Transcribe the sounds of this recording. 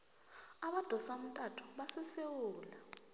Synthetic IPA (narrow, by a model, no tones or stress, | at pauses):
aɓad̥ʱɔsam̩tʼatʰu̥ɓasɛsewuːla